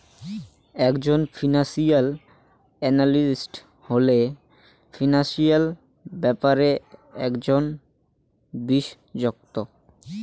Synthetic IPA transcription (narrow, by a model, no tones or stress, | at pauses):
ɛkd͡ʑonfʰinaʃial | ɛnalisʈ | hole | finaʃial | bɛpaɾeɛkd͡ʑon | biʃ | d͡ʑok̚t̪o